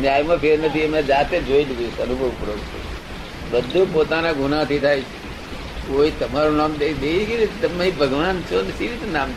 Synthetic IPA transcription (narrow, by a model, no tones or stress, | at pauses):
njaːjmãpʰeɾnət̪ʰiəmẽd͡ʒaːt̪ed͡ʒoinuɡusənubʱəʋpɾoʋt͡ʃʰḛ | bəd̪ʱõpoːt̪anãɡʱunat̪ʰit̪ʰajt͡ʃʰ | koːit̪əmaɾõnaːmd̪ed̪eikit̪əmaĩbʱəɡʋant͡ʃʰonesiɾit̪naːm